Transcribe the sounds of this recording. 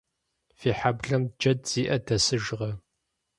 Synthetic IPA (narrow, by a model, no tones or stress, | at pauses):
fiːħabɮɐmd͡ʒɐd̚z̥iːʔɐdʰɐsɨʒʁɐ